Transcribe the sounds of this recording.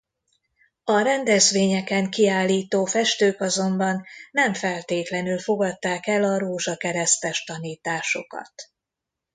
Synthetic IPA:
ɒɾɛnd̪ɛzʋeːɲɛkɛŋkiaːlːiːt̪oːfɛʃt̪øːkɒzo̞mbɒnːɛɱfɛlt̪eːt̪lɛnylfo̞ɡɒt̪ːaːkɛlɒɾoːʒɒkɛɾɛst̪ɛʃt̪ɒniːt̪aːʃo̞kɒ̰t̪

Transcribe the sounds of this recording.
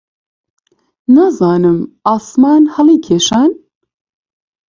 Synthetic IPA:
nɐzɑːnɨmɑːsmɑːnhɐlˠiːkʰeːʃɑːn

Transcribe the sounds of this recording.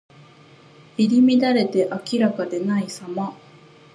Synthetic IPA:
iɾʲimʲid̪aɾe̞t̪e̞ʔakʲiɾakad̪e̞naisama

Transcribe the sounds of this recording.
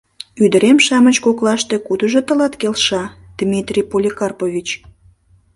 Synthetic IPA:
yd̪əɾemʃɑmət͡ɕkoklɑʃt̪e̽kud̪əʒot̪əlɑt̪kelʃɑ | d̪̥mʲit̪rʲijpolʲikɑrpovʲit͡ɕ

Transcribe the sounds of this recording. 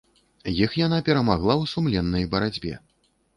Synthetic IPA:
jixjanapʲɛɾɐmaɣlˠawsumlʲɛnːɐjbɐɾad͡zʲbʲɛ̰

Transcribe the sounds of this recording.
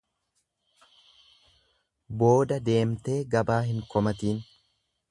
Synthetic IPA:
bo̞ːd̪ɐd̪e̞ːmt̪e̞ːɡɐbaːɦɪŋkɔmɐt̪iːn

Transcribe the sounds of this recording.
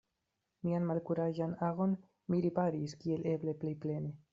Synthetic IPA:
mianmalkuɾaʒanaɣo̞n | miɾipaɾiskie̞le̞ble̞ple̞jple̞ne̞

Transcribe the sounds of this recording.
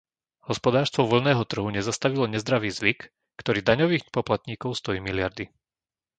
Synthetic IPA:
hɔspɔd̪aːɾst̪ʋɔʋɔl̩nɛːɦɔt̪r̩ɦuɲɛzast̪aʋilɔɲɛzd̪ɾaʋiːzʋik | kt̪ɔɾiːd̪aɲɔʋiːɣpɔplat̪ɲiːkɔʊst̪ɔjiːmilɪaɾd̪i

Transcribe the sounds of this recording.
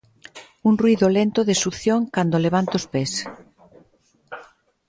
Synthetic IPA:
unrwuiðolent̪oðɪsuθjoŋkand̪oleβ̞ant̪ospes

